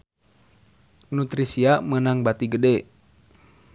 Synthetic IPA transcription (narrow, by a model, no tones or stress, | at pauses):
nut̪ɾisiamənaŋbat̪iɡədɛ